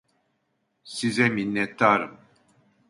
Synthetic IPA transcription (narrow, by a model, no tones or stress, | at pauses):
sizɛminːɛt̪ʰːaːɾɯm